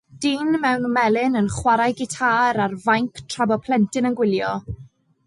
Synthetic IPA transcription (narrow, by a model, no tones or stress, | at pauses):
d̥iːnmɛwnmɛlɪnənχwaɾajɡɪtʰaːɾarvajŋkʰtʰrabɔpʰl̥ɛntʰɪnənɡwɪljɔ